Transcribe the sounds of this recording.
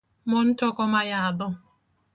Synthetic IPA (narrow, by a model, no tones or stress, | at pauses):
mɔn̩tɔkɔmajad̪ɔ